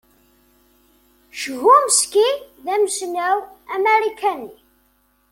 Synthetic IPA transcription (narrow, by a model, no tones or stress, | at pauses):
ʃəɣuməskiðæməsnæwæmeɾikʰæni